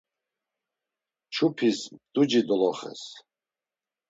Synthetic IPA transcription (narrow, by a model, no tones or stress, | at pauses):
t͡ʃʰupʰisd̪̥ud͡ʒid̪ɔlɔχɛ̰s